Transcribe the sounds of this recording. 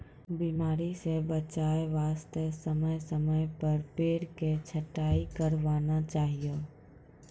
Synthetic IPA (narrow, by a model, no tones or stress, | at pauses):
biːmaːɾisebət͡ʃaːeʋaːst̪əsəməjsəməjpəɾpeːɽket͡ʃʰəʈːaːikəɾʋaːnat͡ʃaːɦijo